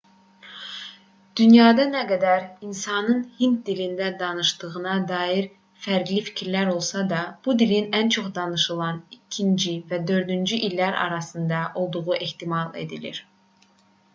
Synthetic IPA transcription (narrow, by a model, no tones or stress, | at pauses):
d̪̥ynjɑːd̪ɑnæɡæd̪æɾinsɑnɯnhind̪d̪ilind̪æd̪ɑnɯʃd̪ɯɣɯnɑd̪ɑːjiɾ | fæɾɡlifi̥cʰiɾlæɾo̞lˠsɑd̪ɑb̥ud̪ilinænt͡ʃʰo̞χd̪ɑnɯʃɯlˠɑnicʰind͡ʒivæd̪ø̞ɾd̪ynd͡ʒyʔilːæɾɑ̰ɾɑsɯnd̪ɑʔo̞lˠd̪uʁuʔe̞ht̪imɑlˠe̞̰d̪ilḭɾ